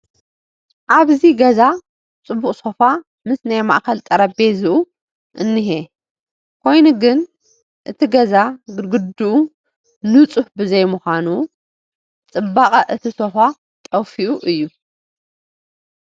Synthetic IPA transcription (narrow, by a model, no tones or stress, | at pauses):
ʔaβziɡɐza | t͡sʼɨbːukʼso̞fa | mɨsnajma̰ʔkʰɐlt̪ʼɐɾɐbe̞zɨʔu | ʔɨnːɨɦe | kʰo̞jnuɡɨn | ʔɨt̪ʰiɡɐzaɡɡɨd̪uʔu | nɨt͡sʼuhbɨzɐjmuxʷanu | t͡sʼɨbakʼɐʔɨt̪ʰiso̞fa | t̪ʼɐwfiʔuʔɨjːu